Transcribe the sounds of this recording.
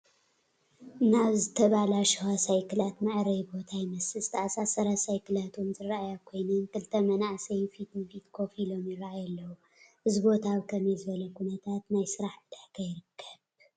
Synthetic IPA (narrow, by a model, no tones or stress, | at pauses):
naβzɨt̪ʰɐβalaʃwasajkɨlat̪mɐʕɾɐjbo̞t̪ʰajmɐsɨzɨ̥t̪ʰɐʔasasɐɾasajkʰɨlat̪ʰonzɨraʔajakʰo̞jnɐnkʰɨlt̪ʰɐmɐnaʕsɐjfit̪nɨfit̪kʰo̞filo̞mjɪɾaʔajɐlːɐwu | ʔɨzibo̞t̪ʰaβkʰɐmɛzɨβɐlɐkʰunɐt̪ʰat̪najsɨɾaħbɨd̪ɨħkʰɐjɪɾɨkʰːɐβ